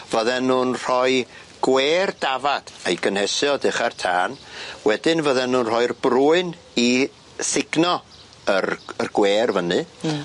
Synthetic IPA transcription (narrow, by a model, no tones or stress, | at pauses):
vəðɛnːuːnr̥ɔɨ | ɡ̥weːrd̥avad̥ejɡənhɛsjɔdɪχartʰaːnwɛdɨnvəðɛnːuːnr̥ɔɨrb̥ruːɨn | i | sɪɡnɔ | ərərɡ̥weːrvənɨ